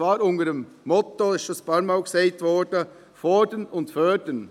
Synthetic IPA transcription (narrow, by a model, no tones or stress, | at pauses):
vɑːɾʊndədəmːɔtoɪsɑspɑɾmaʊɡsɛɪtvɔɾd̥ə | fɔdənʊntfœːdən